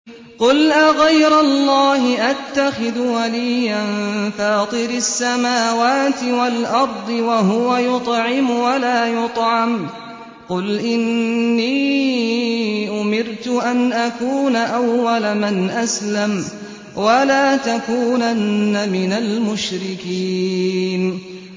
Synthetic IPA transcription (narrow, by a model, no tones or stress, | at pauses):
qʊlʔaɣajɾalˤːɑːhɪʔat̪ːaxɪðwaliːjanfɑːt̪ˤɨɾasːamaːwaːt̪ɪwalʔɑɾˤd̪ˤɨwaɦʊwajʊt̪ˤʕɪmwalaːjʊt̪ˤʕɑm | qʊlʔɪnːiː | ʔʊmɪɾt̪ʊʔanʔakuːnaʔawːalamanʔaslam | walaːt̪akuːnanːamɪnalmʊʃɾɪkiːn